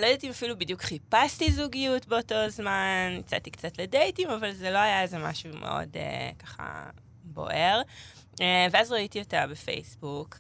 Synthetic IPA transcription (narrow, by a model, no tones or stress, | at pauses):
lojdatimafilubidjukχipastizuɡijutbe̞o̞to̞zmanit͡sa̰t̪ikt͡satledejtimavalzelo̞ajaezema̰ʃumʔḛʔo̞̰dḛkaχa̰ | bo̞̰ʔe̞ʁ | eveazʁaitijotabefḛjsbuk